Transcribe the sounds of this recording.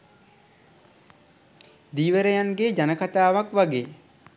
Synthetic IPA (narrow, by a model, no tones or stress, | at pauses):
d̪iːʋəɾəjanɡeːd͡ʒanəkat̪aːʋakʋaɡeː